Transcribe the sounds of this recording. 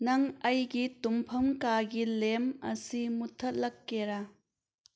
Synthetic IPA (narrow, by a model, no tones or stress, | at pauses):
nɐŋɐjɡitumpʰɐmkaɡilemɐ̰simutʰːɐt̚lɐkːeɾa